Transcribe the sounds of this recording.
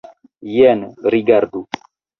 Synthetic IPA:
jɛnɾiɡaɾd̪u

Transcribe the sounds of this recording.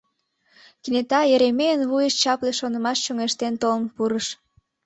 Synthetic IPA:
kinet̪ɑeɾemejənβujəʃt͡ɕɑpleʃonəmɑʃt͡ɕoŋeʃt̪ent̪olənpuɾəʃ

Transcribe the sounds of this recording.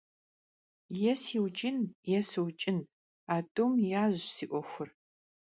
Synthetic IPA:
jɛsiːwt͡ʃʼɪnjɛsɨwt͡ʃʼɪn | aːdʼomjaːʑsiːʔʷɔxʷʊr

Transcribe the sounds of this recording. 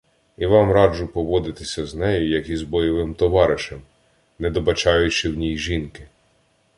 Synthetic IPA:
iʋɑmɾɑd͡ʒʊpɔʋɔd̪ɪt̪ɪsʲɐznɛjʊjɐkizbɔjɔʋɪmt̪ɔʋɑɾɪʃem | nɛd̪ɔbɐt͡ʃɑjʊt͡ʃɪwnʲijʒinkɪ

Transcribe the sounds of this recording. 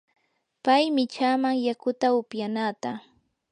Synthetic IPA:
pajmɪt͡ʃaːmaŋjakʊt̪aʊpjanaːt̪a

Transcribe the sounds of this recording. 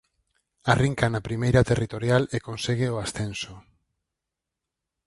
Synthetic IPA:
ariŋkanapɾimejɾat̪erit̪oɾjalekonseɣeoasθenso

